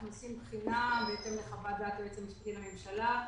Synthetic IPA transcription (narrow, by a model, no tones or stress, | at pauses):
nosimbχinabeet̪emleχavad̪at̪et͡semiʃbtiname̞mʃala